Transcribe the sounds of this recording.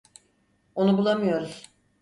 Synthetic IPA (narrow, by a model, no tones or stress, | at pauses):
o̞nubulˠamɯjo̞ɾuz̥